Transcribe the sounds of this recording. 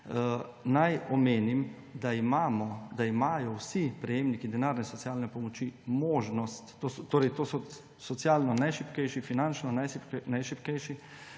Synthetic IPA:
najɔmeːnim | d̪aimaːmɔd̪aimaːjɔwsipɾɛjeːmnikid̪ɛnaːɾnɛsɔtsjaːlnɛpɔmɔt͡ʃimoːʒnɔst̪ːoːsɔt̪oːɾɛjt̪oːsɔ | sɔt̪sjaːlnɔnajʃipkɛjʃifinant͡ʃnanajʃipnajʃipkɛjʃi

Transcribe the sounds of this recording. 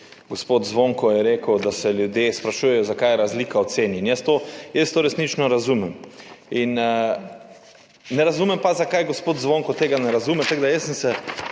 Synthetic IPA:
ɡospoːt̪zʋõŋkɔjɛɾeːkəwd̪asɛljud̪jespɾaʃujɛjɔzakajɛɾazliːkaɔt̪seːnjiinjɛst̪ojəst̪oːɾɛsnit͡ʃnɔɾazumɛmin | nɛɾazumɛmpazakajɡospoːt̪zʋõŋkɔt̪eːɡanɛɾazumɛt̪aɡd̪ajəsənsɛ

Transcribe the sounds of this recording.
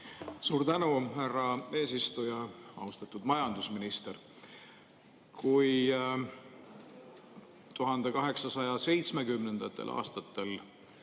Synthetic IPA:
suːɾt̪ænuhærːɑe̞ːsist̪ujɑɑ̰ust̪ɑt̪ːˑud̪mɑjɑnd̪̥usminist̪eɾ | kʰuj | t̪uɦɑnd̪̥e̞kɑɦe̞ksɑsɑjɑse̞jt̪sme̞kymne̞nd̪̥ɑt̪ːˑe̞̰lʔɑ̰ːst̪ɑt̪ːe̞l

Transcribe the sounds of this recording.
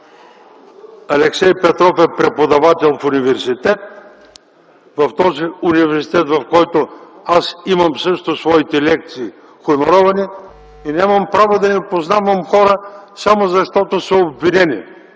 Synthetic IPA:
ɐlɛksɛjpɛt̪ɾɔfɛpɾɛpod̪ɐvat̪ɛlˠfʊnivɛɾsit̪ɛt̪̚ | vɐft̪ɔziʊnivɛɾsi̥t̪ɛt̪vɐfkɔjt̪oasimɐmsɤʃt̪osvɔit̪ɛlɛk̚t̪siː | xʊmoɾɔvɐni | inʲamɐmpɾavod̪ɐnipoznavɐmxɔɾəsamozɐʃt̪ɔt̪osɐobvinɛnḭ

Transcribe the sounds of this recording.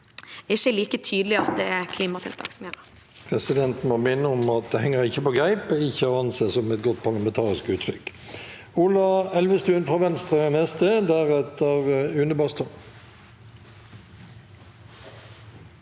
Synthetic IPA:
ɪçəliːkət̪ʰyːd̪lɪɑt̪̚d̪ɛækʰliːmɑt̪ʰɪlt̪ʰʋɑ̰ksmheːt̪ə | pʰʁɛsɪd̪ɛnt̪n̩mɔmɪnːəʊmɑt̪̚d̪ɛhɛŋːəʁɪçːəpɔɡʁæɪpəɪçːəhɑʁɑnseːsɔmɛt̪̚ɡɔt̪ːpʰɑʁlɑmɛnt̪ʰɑːʁɪskʉːt̪ʰɾʏk | ʊlɑɛlʋəst̪ʉːnfʁɑːʋɛnst̪ʁənɛst̪əd̪æʁɛt̪ːəʁʉnəbɑst̪ɔn

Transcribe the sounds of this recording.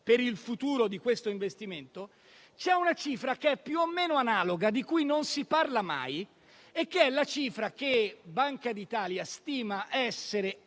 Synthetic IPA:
peɾilfut̪uːɾod̪ikwest̪oiɱvest̪iment̪o | t͡ʃɛunat͡ʃiːfɾakeɛpːjuomːeːnoanaːloɡad̪ikujnonsiparlama̰j | ekːeɛlat͡ʃiːfɾak̟ebːaŋkad̪it̪aːljast̪iːmaʔɛsːeɾe

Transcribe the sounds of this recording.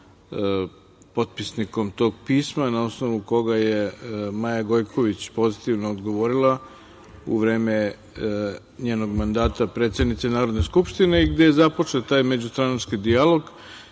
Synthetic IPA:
po̞t̪̚pisniko̞mt̪o̞ːɡpiːsmanao̞sno̞ʋuko̞ɡaje̞majaɡo̞jkʰo̞ʋit͡ɕpo̞zit̪iʋnoːd̪ɡo̞ʋo̞ɾilˠa | ṵʋɾe̞ːme̞ | ɲe̞ːno̞ɡmand̪aːt̪apɾe̞ːt̪sed̪nit̪senaːɾod̪ne̞skupʃt̪ine̞iɡd̪e̞jezapo̞t͡ʂe̞t̪aːjme̞d͡ʑust̪ɾanat͡ʃkid̪ialˠo̞ɡ

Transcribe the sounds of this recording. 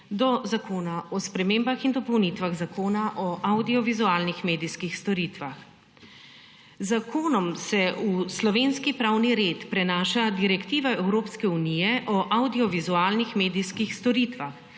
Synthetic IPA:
d̪ɔzakoːnaɔspɾɛmeːmbaxind̪ɔpɔwnit̪ʋaɣzakoːnaʔɔʔawd̪iɔʋizuaːlnixmeːd̪iskixst̪ɔɾiːt̪ʋax | zakʰoːnɔmsɛuslɔʋeːnskipɾawniɾet̪pɾɛnaːʃad̪iɾɛkt̪iːʋaɛwɾoːpskɛunijɛʔɔʔawd̪iɔʋizuaːlnixmeːd̪iskixst̪ɔɾiːt̪ʋax

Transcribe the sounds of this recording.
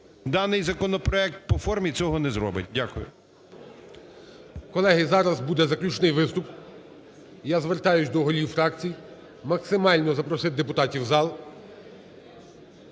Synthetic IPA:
d̪ɑnɪjzɐkɔnɔpɾɔɛk̚t̪̚pɔfɔrmʲit͡sʲɔɦɔnɛzɾɔ̰bɪ̰t̚ʲdʲakʊjʊ̰ | kɔlˠɛɦɪzɑɾɐzbud̪ɛzɐklʲut͡ʃnɪjʋɪst̪ʊp | jazʋert̪ɑjʊt͡ʃʲd̪ɔɦɔlʲiwfɾɑkt͡sʲij | mɐksɪmɑlʲnɔzɐpɾɔsɪt̪̚ʲd̪epʊt̪ɑtʲiwzɑlˠ

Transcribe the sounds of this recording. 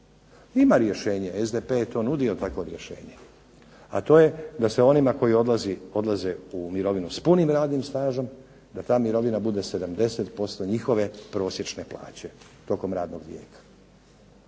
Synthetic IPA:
imaɾje̞ʃe̞ːɲeezd̪epejet̪o̞ːnud̪io̞t̪ako̞ɾjeʃe̞̰ːɲe̞ | a̰t̪o̞ːje̞d̪ase̞o̞nimako̞jiod̪azio̞d̪lˠazeumiɾo̞ʋinuspunimɾaːd̪nimst̪aːʒom | d̪at̪aːmiɾo̞ʋinabud̪e̞se̞d̪amd̪e̞se̞t̪po̞st̪oɲixo̞ʋe̞pɾo̞ːsje̞t͡ʃne̞plˠa̰ːt͡ɕe̞ | t̪o̞ko̞mɾaːd̪no̞ɡʋjḛːkḁ

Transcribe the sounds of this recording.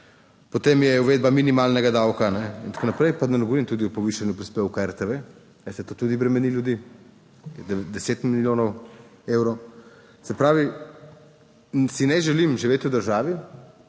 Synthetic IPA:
pot̪eːmjɛuʋeːd̪̚baminimalnɛɡad̪awkanɛḭnt̪ḁkonapɾɛjpad̪ɐnɛɡɔʋɔɾimt̪ud̪iupɔʋiʃanjupɾispewkaɛɾt̪eʋe | asɛt̪oːt̪ud̪ibɾɛmɛniljud̪i | d̪ɛseːt̪milljoːnɔwewɾɔw | zɛpɾaːʋi | sinɛʒɛlimʒiʋeːt̪ud̪əɾʒaːʋi

